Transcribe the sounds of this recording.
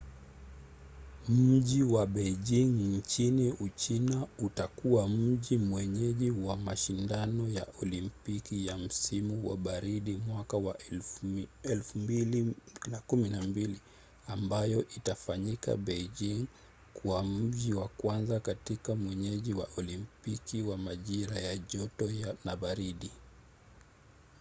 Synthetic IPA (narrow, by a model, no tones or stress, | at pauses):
mm̩ʄiwaɓɛʄiŋɲt͡ʃiniut͡ʃinautakuwam̩ʄimwɛɲɛʄiwamaʃindanɔja̰ʔɔlimpikijam̩simuwa̰ɓaɾiɗimwakawa | ɛlfumbilinakuminambili | ambajɔʔitafaɲika̰ɓɛd͡ʒiŋ | kwam̩m̩ʄiwakwanzakatikamwɛɲɛʄiwa̰ʔɔlimpikiwamaʄiɾajaʄɔtɔjanaɓaɾiɗi